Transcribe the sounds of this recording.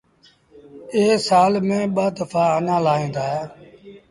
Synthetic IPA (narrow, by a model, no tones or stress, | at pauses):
eːsaːlmẽːɓaːd̪əfaːənãːlaːɦĩːnd̪aːɦeː